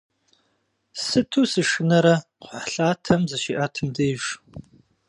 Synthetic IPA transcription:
sɨtʰuːsɨʂɨnɐɾɐqʷħɬaːtʰɐmzɐʃiːʔaːtʰɨmdejʒ

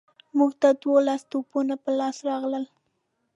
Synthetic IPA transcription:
muɡt̪ad̪wolast̪opunapəlɑsɾɑɣləl

